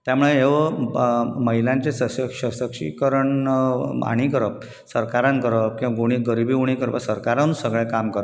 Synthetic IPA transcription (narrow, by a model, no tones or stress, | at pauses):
t̪jamuɭeɦeʋə | məɦilãɲt͡ɕesəsəkɕəsəkʂḭkəɾəɳ | a̰ɽ̃ikəɾəp̚ | səɾkaɾãnkəɾəp̚kĩʋaɡuɽ̃iɡəɾibiuɽ̃ikəɾpəsəɾkaɾansəɡɭɛ̃kamkəɾəp̚